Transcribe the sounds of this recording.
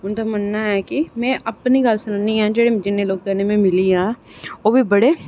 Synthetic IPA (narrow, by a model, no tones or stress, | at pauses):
ʊnd̪amənːaɦɛːkimɛ̃ːʔɐpniɡəlsɪnəniɦɛ̃ːd͡ʒeːɽed͡ʒɪnːẽloːɡ̚kɛnemẽmɪliɦɛ̃ː | oːbʱibəɽe